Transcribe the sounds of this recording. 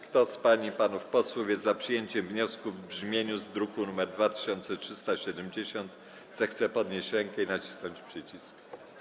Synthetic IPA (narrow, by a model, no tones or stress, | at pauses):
kt̪ɔspaɲipanufpɔswuvʲjɛzapʂɘjeɲt͡ɕɛmvɲɔskuvbʐmʲjeɲuzd̪ɾukunumɛɾd̪vat̪ɘ̥ɕɔnt̪sɛtʂɘst̪aɕɛd̪ɛmd͡ʑeɕɔnt̪ | z̥ɛxt̪sɛpɔd̪ɲeɕt͡ɕɾɛŋkɛinat͡ɕi̥snɔɲt͡ɕpʂɘt͡ɕisk